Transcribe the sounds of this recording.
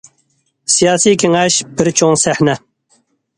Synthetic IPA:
sijɑːsijkʲʰeŋɛʃbɪɾt͡ʃʰoŋsæħnɛ

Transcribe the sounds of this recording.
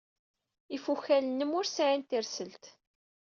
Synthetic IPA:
ifuçælənːəmʊɾsaʕint̪iɾsəlt̪

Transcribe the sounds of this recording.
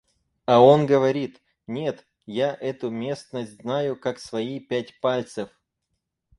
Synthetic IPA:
ɐo̞nɡəvɐɾʲit̪ | nʲe̞t̪ | jaʔɛt̪ʊmʲe̞snəsʲtʲznajʊkaksvɐipʲætʲpalʲt̪sɨf

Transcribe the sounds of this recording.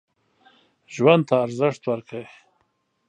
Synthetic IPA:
ʒwand̪̚t̪aːɾzəʂt̪waɾkʰaw

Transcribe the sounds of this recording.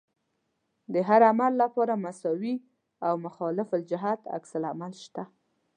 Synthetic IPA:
d̪əɦaɾamalːapɑɾamasɑwi | awmʊxɑlɪfɪld͡ʒɪɦat̪a̰ksalamalʃt̪a

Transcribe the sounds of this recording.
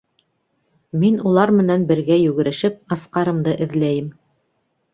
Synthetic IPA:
minulˠɑɾmɘ̆nænbɘ̆ɾɡæjʉɡɘ̆ɾɘ̆ʃɘp̚ɑsqɑɾɤ̆md̪ɤʔɘ̆ðlæjɘm

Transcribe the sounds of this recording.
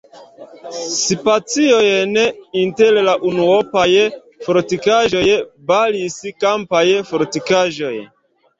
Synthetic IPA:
sipat͡siojneintellaʔunuopaj | foɾtikaʒo̞jbaliskampajfoɾtikaʒo̞j

